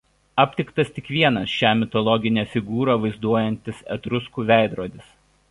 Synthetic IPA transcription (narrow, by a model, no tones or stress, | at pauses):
ɑpʲt̪ʲɪkt̪ɐst̪ʲɪkʋʲiɛnɐsʃʲæːmʲɪt̪ɔlˠɔɡʲɪnʲeːfʲɪɡuːɾɑːʋɐɪzd̪uɔjɛnʲt̪ʲɪsɛ̰t̪ɾʊskuːʋʲæˑɪd̪ɾoːd̪ʲɪs